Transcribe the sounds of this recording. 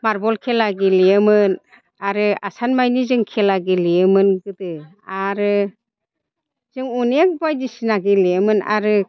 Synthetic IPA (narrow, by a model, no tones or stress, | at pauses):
maɾbɔlkʰelaɡilijɯmɯn | aɾɯa̰sanmajnizɯŋkʰelaɡilijɯmɯnɡɯdɯ | aɾɯ | z̥ɯŋunek̚bajdisinaɡilijəmɯna̰ɾɯ